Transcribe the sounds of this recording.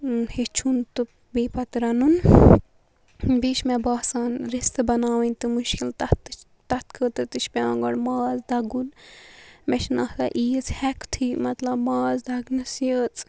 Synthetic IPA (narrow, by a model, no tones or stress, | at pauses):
het͡ʃʰunt̪ɨ | biːpɐt̪ɾɐnun | biʃmɛbaːsaːnɾist̪ɨbɐnaːwinʲt̪ɨmuʃkilt̪ɐt̪t͡ʃ | t̪ɐt̪kʰət̪ɨt̪ɨt͡ʃʰpʲãːŋɡɐɽmaːzd̪ɐɡun | mɛt͡ʃnɐht̪aʔiːət͡shɛkt̪ʰimɐt̪lɐbmaːzd̪ʱɐɡnɨsijəːt͡sʼ